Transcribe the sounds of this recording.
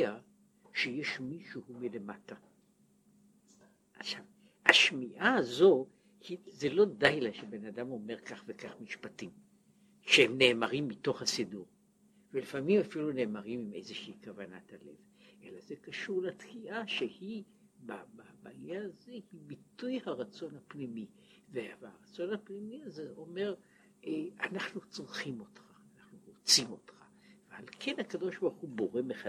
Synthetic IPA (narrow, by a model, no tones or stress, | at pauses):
a | ʃeje̞ʃmiʃuhumilemata | ʔaʃav | haʃmiʔazo̞ | hize̞lo̞dajlaʃebe̞nadamo̞me̞ʁkaχvekaχmiʃpatim | ʃehemne̞ːmaʁimːito̞χhasiduʁ | velifamimafilune̞ːmaʁimime̞̰jzeʃeikavanatale̞̰v | ʔe̞laze̞kaʃuʁlat̪kiʔaʃehi | bababaljaːzehibitujhaʁat͡so̞nhapnimi | veaʁat͡so̞nhapnimiazeo̞me̞ʁ | ʔeanaχnut͡sʁχimo̞tχaːnaχnuʁot͡simo̞tχḁ | vehalkʰe̞nhakado̞ʃbaʁχubo̞ʁemeχa